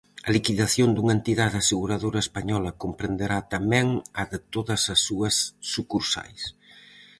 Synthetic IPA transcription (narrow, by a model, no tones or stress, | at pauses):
ɐlikiðaθjond̪uŋɐent̪iðaðaseɣuɾaðoɾɐespaɲɔlɐkompɾend̪eɾat̪amɛŋɐðɪt̪oðɐsɐsːuɐsːukuɾsa̰js